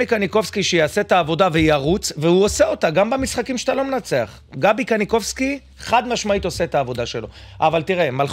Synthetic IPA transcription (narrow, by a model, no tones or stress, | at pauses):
ikaniko̞fskiʃejaaset̪aːvo̞d̪avejaʁut͡svehuo̞seo̞t̪aɡambamisχakimʃe̥t̪alo̞menat͡se̞a̰χ | ɡabikaniko̞fski | χad̪maʃmait̪oseet̪aːvo̞d̪aʃe̞lo̞̰ | ʔavalt̪iʁemal